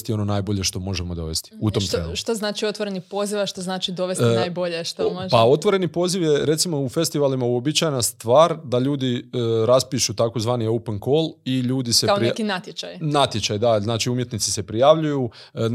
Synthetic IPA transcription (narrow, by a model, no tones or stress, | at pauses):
st̪ijo̞no̞naːjboʎe̞ʃt̪o̞mo̞ʒemo̞d̪o̞̰ʋe̞st̪i̥ut̪omt̪ḛʃt̪oznaːt͡ʃiot̪ʋoɾenipo̞ziʋaʃt̪oznaːt͡ʃid̪o̞ʋesinaːjboʎeʃt̪omoao̞t̪ʋo̞ɾe̞nipo̞ːziʋje̞ɾe̞t̪simo̞ufe̞st̪iʋalimauo̞bit͡ʃajenast̪ʋaːɾd̪aʎuːd̪iəɾaspiʃut̪akozʋaːnio̞wpeŋkoliʎuːd̪isekaoɾiekinat̪jet͡ʃajnat̪jet͡ʃajd̪aznaːt͡ʃiumje̞t̪nit̪si̥se̞pɾijaʋʎuju | n